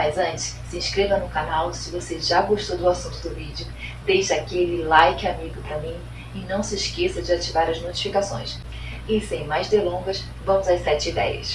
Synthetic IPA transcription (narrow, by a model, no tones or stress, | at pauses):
mɐjzɐ̃t͡ʃɪ̥ssɪĩʃkɾevɐnʊkanawsɪvoseʒaɡoʃt̪od̪ʊasũnt̪ʊd̪ʊvid͡ʒɪʊ | d̪ejʃɐakelɪlajkɪamiɡʊpɾɐmĩ | ɪnɐ̃w̃sɪʃkesɐd͡ʒɪat͡ʃivaɾɐznot͡ʃi̥fikasõ̰j̃s | ɪsẽj̃majzd̪elõɡɐs | vɐ̃mʊzajsɛt͡ʃɪid̪ɛjɐ̰s